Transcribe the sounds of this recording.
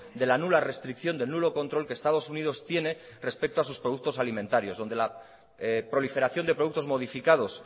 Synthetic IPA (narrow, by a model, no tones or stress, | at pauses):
d̪e̞lanulare̞st̪ɾikθjo̞nd̪e̞nulo̞ko̞nt̪ɾo̞lkeːst̪að̞osunið̞o̞st̪je̞ne̞ | re̞spe̞k̚t̪oas̬uspɾo̞ð̞uk̚t̪o̞salimẽnt̪aɾjo̞zðond̪e̞la | pɾo̞life̞ɾaθjo̞nd̪e̞pɾoðuk̚t̪o̞zmo̞ð̞ifikað̞o̞s